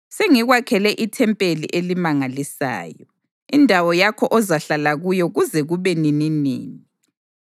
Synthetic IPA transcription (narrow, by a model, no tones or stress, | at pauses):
seŋiɣwakʰɛlɛʔitʰɛmpʼelḭʔelimaŋalisa̰ːjɔ | indʱawɔjakʰɔʔɔzaɬalaɣujɔɣuzɛɣuβɛnininḭːni